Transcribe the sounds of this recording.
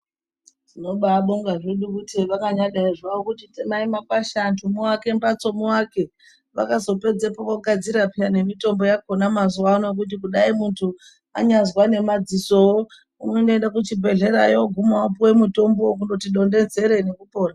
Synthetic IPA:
tino̞ɓaɓoŋɡaʐeɗukutiʋakaɲaɗaiʐaʋokutitemaimapaʃantʰumuwake̞mbat͡so̞muwake̞ | ʋa̰kazo̞pe̞d͡zepokoɡʱad͡ziɾapane̞mito̞mbo̞jako̞namazuwanok̬ut̬ik̬uɗaimuntʰu | a̰ɲazwane̞mad͡ziso̞wo | unwendoendakut͡ʃibʱe̞ɮe̞ɾa̰joɡʱumowapuwe̞muto̞mbo̞k̬undo̞tiɗo̞nde̞nze̞ɾe̞ne̞kupo̞ːra

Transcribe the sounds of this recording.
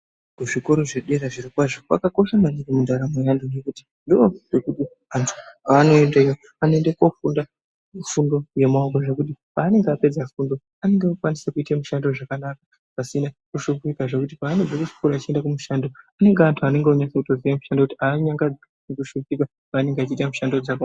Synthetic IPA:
kuʐiko̞ɾoʐeɗeɾaʐiɾikwaʐoka̰kako̞ʃamaɲikemundaɾamujandojekuti̥ | ndioʐe̞kuti | antʰu̥ano̞endaijo | aneŋɡekofunda | ufundo̞je̞maukoʐe̞kutipaːne̞ŋɡeape̞d͡zafundo̞ | ane̞ŋɡeokwanisekuitemuʃandoʐakanakḁ | pasinakuʃukuikaʐe̞kut̬ipaːned͡zekut͡ʃi̥kuɾat͡ʃie̞ndakumuʃando̞ane̞ŋɡeantʰuane̞ŋɡeoɲasekuto̞ziʋamuʃandokutiaɲaŋɡad͡z | nekuʃukika | paːne̞ŋɡeat͡ʃiːtamuʃandod͡zaka

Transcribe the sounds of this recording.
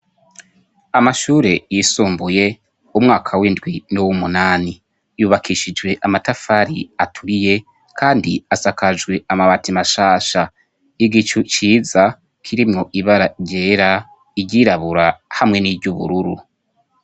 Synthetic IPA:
amaʃuːɾe̞jisuːmbuje̞ | umŋaːkʰawindɡwinuwumunaːni | juːβakʰiʃid͡ʒɡwe̞ʔamatafaːɾḭatʰuɾije̞ | kʰaːndiasakad͡ʒɡwe̞amaβatimaʃaːʃa | iɡit͡ʃut͡ʃiːza | kʰiɾimŋo̞ʔiβaɾaɾɟeɾa | iɟiːɾaβuɾahamŋe̞nivɟuβṵɾuɾu

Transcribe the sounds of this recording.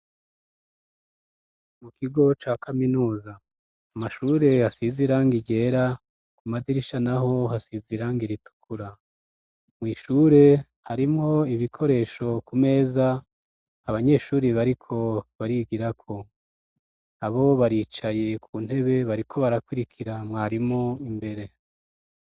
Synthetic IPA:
mukiɡo̞t͡ʃaːkʰaminuːzaː | maʃuːɾe̞hasiziɾaːŋɡiɡe̞ːɾa | kumadiɾiʃanaɦo̞hasiziɾaːŋɡiɾitu̥kʰuɾa | mŋiːʃuːɾe̞ | haɾimŋo̞iβikʰo̞ɾe̞ːʃo̞kume̞ːzaː | βaɲe̞ːʃuːɾiβaɾikʰo̞βaɾiɡiɾakʰo̞ | aβo̞βaɾiːt͡ʃaje̞kʰun̥he̞βe̞βaɾikʰo̞βaɾakwiɾikʰiɾamŋaːɾimŋoimbe̞ɾe̞

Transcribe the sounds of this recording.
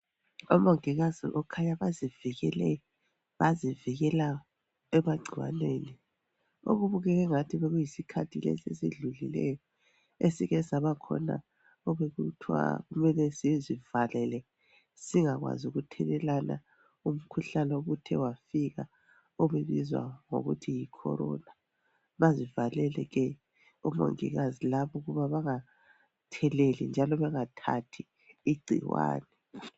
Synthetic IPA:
ɔmaŋiɣazḭʔɔkʰaɲaβaziviɣɛlɛ | βaziviɣɛla | ɛmaɡ͡ǀʱiwa̰neːni | o̰ɣuβuɣɛɣɛŋatʰiβɛɣujisikʰatʰilɛ̰sḛsiɮulilɛ̰jɔ | esiɣɛsaβakʰɔ̰na̰ | ɔβeɣutʰwa̰ɣumɛlɛsizivalɛlɛ | siŋaɣwa̰zuɣutʰɛlɛlana̰ | um̩kʰuɬanɛoɣutʰɛwafiɣa | ɔβeβizwa̰ŋo̰ɣṵtʰijikʰɔ̰ɾɔ̰na | βazivalɛlɛɣɛ | ɔmo̰ŋḭɣazilaβɔuɣuβaβaŋa | tʰɛlelḭnd͡ʒʱalɔβɛŋatʰa̰tʰi | iɡ͡ǀʱḭwa̰ːnɛ

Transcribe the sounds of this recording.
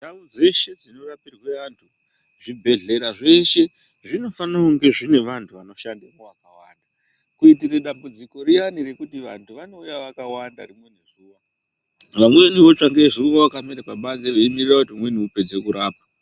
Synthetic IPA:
daud͡ze̞ʃe̞d͡zino̞rapirweantʰu | ʐibʱe̞ɮe̞ɾaʐe̞ʃe̞ | ʐino̞fanauŋɡe̞ʐine̞ʋantʰuʋano̞ʃandimowakawanda | kuitireɗambud͡ziko̞rijanire̞kutiʋantʰuʋano̞ujaʋakawanda̰rimwe̞neʐuʋa | ʋamweʋaniʋo̞t͡ʂaŋɡeʐiuʋawakameɾekwaɓanzeʋeimirirakutiumwe̞niupe̞d͡ze̞kuɾaːpa

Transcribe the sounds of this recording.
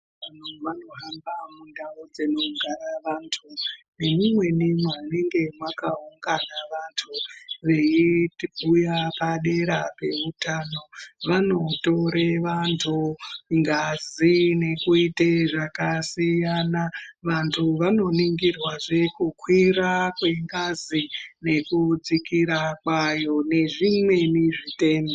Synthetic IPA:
an̤uʋano̞ɦambamundaud͡zino̞ŋɡʱaɾaʋantʰunemimwe̞nimwaneŋɡe̞mwakauŋɡanaʋantʰuʋe̞itiɓujapaɗe̞ɾape̞ʋutaːno̞ʋano̞to̞ɾeʋantʰuŋɡazine̞kuiteʐakasijanaʋantʰuʋano̞niŋɡirwaʐe̞kukʰwiɾakwe̞ŋɡazine̞kud͡zikiɾakwajo̞ne̞ʐimwe̞niʐite̞ːmbe

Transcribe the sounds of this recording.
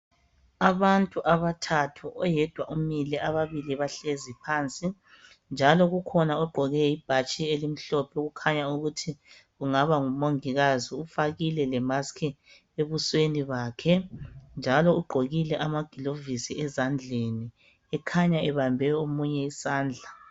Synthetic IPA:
aβantʼuʔaβatʰatʰuʔɔjɛd̥ʱwaʔumilɛʔaβaβiliβaɬezipʰaːnt͡sʼi | nd͡ʒʱalɔɣukʰɔnaɔɡ͡ǃʱɔɣɛjib̥ʱat͡ʃʼielim̩ɬɔpʰɛuɣukʰaɲauɣutʰi | uŋaβaŋumoŋiɣaziufaɣilɛlɛmaskʰi | eβusweniβaːkʰɛnd͡ʒʱalɔuɡ͡ǃʱoɣilɛʔamaɡ̥ʱilovisiɛzand͡ɮʱeni | ɛkʰaɲaɛβambʱɛomuɲɛisaːnd͡ɮʱa

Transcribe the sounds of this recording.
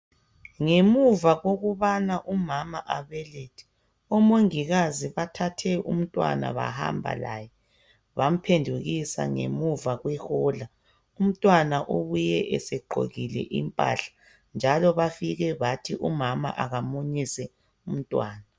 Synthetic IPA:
ŋemuvaɣoɣuβanaʔumamaʔaβɛletʰɛ̥ | ɔmoŋiɣaziβatʰatʰɛʔṵm̩tʼwa̰na̰βa̰ha̰mbʱa̰la̰jɛ | βam̩pʰendʱuɣisa̰ŋḛmuvaɣwɛhɔla | um̩tʼwanaʔoβujɛʔɛsɛɡ͡ǃʱo̰ɣilɛ̰ʔimpʼa̰ɬḁ | nd͡ʒʱalɔβafiɣɛβatʰiʔumama̰ʔaɣamoɲisɛ | um̩tʼwaːna

